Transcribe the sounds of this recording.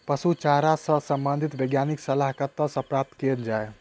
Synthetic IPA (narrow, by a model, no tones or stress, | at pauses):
pəsut͡ʃaɾasə̃səmbə̃nd̪ʱit̪beɡjaniksəlaɦkət̪ːəspɾap̚t̪kend͡ʒae